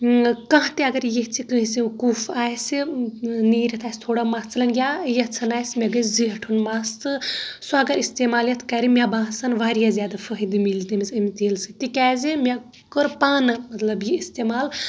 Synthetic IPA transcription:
kɐ̃ɦɐ̃t̪iɐɡɐɾjeɦt͡sʰikɨɦisikufaːsiniːɾʲɐt̪ʰaːsʲt̪ʰoːɽamaːst͡sʰlɐnɡʲjajɐt͡sʰɐnaːsʲmʲeɡɐziɦɐʈʰunmaːst̪ɨsaɐɡɐɾist̪eːmaːljɐt̪ʰkaːɾimʲabãːɦsɐnʋaːɾijazʲjaːd̪afʰəɦid̪imilzd̪imisɐmit̪eːlsit̪ikʲaːzimʲa | kəɾpaːnɨmɐt̪lɐbjiist̪eːmaːl

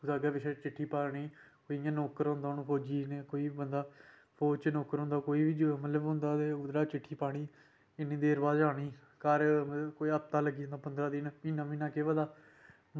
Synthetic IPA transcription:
d̪aːɡɛːʋɪʃeːt͡ʃɪʈʰːiːpaːɳiːkoːijãːnoːkəɾɦʊ̃nd̪aːnũːpʰoːd͡ʒiːneːkoːiːbənd̪aː | pʰoːt͡ʃnoːkəɾɦʊ̃nd̪aːkoːiːʋiːd͡ʒmət̪ləbɦʊ̃nd̪aːt̪eːʊd̪ɾaːt͡ʃɪʈʰːiːpaːɽ̃iː | ɪnĩːd̪eːəɾbaːzaːɽ̃iː | kaɾkoːiəpt̪aːləɡiːãːnd̪aːpənd̪ɾaːd̪iːniːnãːʋĩːnãːkeːʋəd̪aː

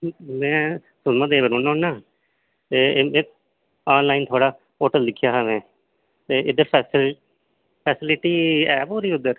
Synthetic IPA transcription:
mɛ̃ː | sʊnmãd̪eːbəɾoːnãnːaː | t̪eːmɛ̃ː | aːnlaːint̪ʰoːɽaː | oːʈəld̪ɪkʰːjaːɦaːmɛ̃ː | t̪eːɪd̪eːs | pʰɛːsɪlɪʈiːɛːpɦoːɾiːʊd̪ːəɾ

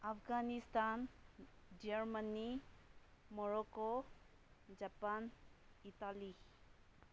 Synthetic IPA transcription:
afɡanist̪an | d͡ʒeɾmani | mɔɾɔko | d͡ʒapanitali

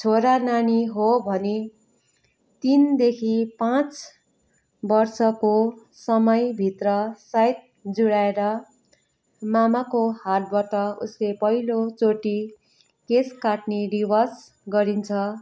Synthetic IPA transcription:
t͡sʰoɾananiɦobʱʌne | t̪ind̪ekʰipãt͡s | bʌrsʌko | sʌmʌjbʱit̪rʌsajt̪̚ | d͡zuɽaeɾʌ | mamakohal̚baʈʌṵslepʌɦilot͡soʈi | keskaʈniribʌrs | ɡʌɾint͡sʰʌ

